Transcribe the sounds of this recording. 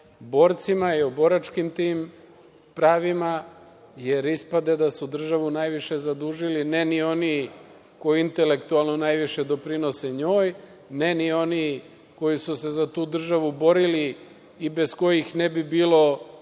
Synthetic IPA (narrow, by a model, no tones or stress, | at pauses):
bo̞ːɾt̪simaiobo̞ɾat͡ʃkimt̪iːm | pɾaːʋima | je̞ɾispad̪e̞d̪asud̪r̩ʒaʋunajʋiʃe̞zad̪uːʒilinenio̞ni | ko̞jiint̪e̞le̞kt̪ualˠno̞najʋiʃe̞d̪o̞pɾino̞seɲo̞ːj | nenio̞ni | ko̞jisuse̞zat̪uːd̪r̩ʒaʋubo̞ɾiliː | be̞sko̞jixnebibiːlo̞